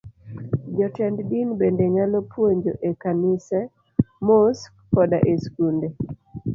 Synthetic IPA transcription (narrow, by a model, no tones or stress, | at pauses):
d͡ʒɔtɛnddinbendeŋalopʰwoɲd͡ʒoʔekanɪsɛ | mos | kɔdaʔeskunde